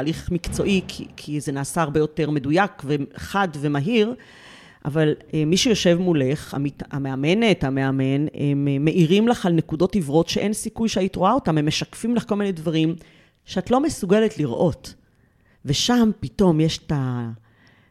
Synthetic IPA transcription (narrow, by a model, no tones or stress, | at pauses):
aliχmikt͡so̞ʔikʰḭkʰize̞naːsaaʁbejo̞te̞ʁme̞dujakveχadve̞maɦiʁ | ʔa̰valemiʃejo̞ʃe̞vmule̞χa̰mitameame̞netame̞ame̞nemːe̞ʔiʁimlaχalnekudo̞tivʁo̞tʃeʔe̞nsikujʃeajitʁoao̞tamemːeʃakfimlaχko̞lminedvaʁim | ʃeatlo̞me̞suɡe̞letliʁʔo̞t | ve̞ʃampito̞mjeʃe̥ta